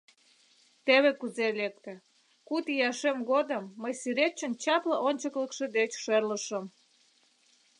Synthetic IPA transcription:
t̪eβekuzelek̚t̪ĕ | kut̪ijɑʃemɣod̪əmːəjsyɾet͡ɕːənt͡ɕɑpləʔonʲt͡ɕəkləkʃed̪et͡ɕʃerləʃəm

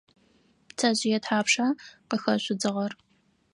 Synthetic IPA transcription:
tʰɐʑɪjɛtħaːpʂɐqəxɐɕʷʊd͡zɨʁɐr

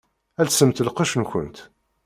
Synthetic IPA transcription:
ælsəmt̪əlqəʃnçə̰nt̪

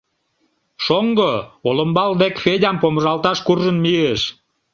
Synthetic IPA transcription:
ʃoŋɡooləmbɑld̪ekfedʲɑmpoməʒɑlt̪ɑʃkurʒənmieʃ

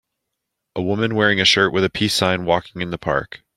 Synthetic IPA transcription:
ʔəwʊmɨ̃nwɛɹɪ̃ŋɨʃɜ˞ʔwʔɨðɨpʰisãɪ̃nwɔkɪ̃ŋɨ̃nðəpʰɑ̰ɹk

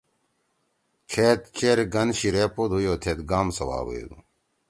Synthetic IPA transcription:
kʰeːt̪̚t͡ɕeːɾɡɐnɕiɾeːpoːd̪ʱɦujoːt̪ʰeːt̪ɡaːmsɐwa̰ːwṵjo̰d̪ṵ

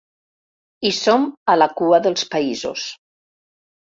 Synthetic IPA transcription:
isomalakuaðəlˠspaizo̰s

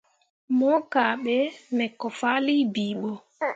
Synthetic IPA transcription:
mɔkaːɓɛnɛkːɔfalibiːɓɔ

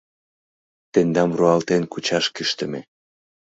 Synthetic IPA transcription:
t̪end̪ɑmruɑlt̪enkut͡ɕɑʃkiʃt̪ə̆me

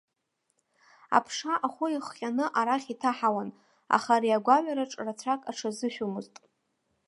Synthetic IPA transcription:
a̰pʰʂaʔaχʷʊiχːʲʼanɨʔaɾaχʲitʰaħawan | a̰χaɾijaɡʷaɥaɾaʈ͡ʂʼrat͡ɕʷʰakʼaʈ͡ʂʰazɨʃᶣumɨztʼ

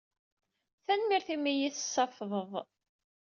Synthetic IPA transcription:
θænmiɾθimijiθə̥sːɑfðˤəðˤ

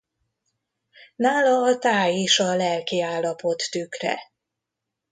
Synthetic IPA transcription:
naːlɒːt̪aːjiːʃɒlɛlkiaːlːɒpo̞t̪ːykrɛ̰

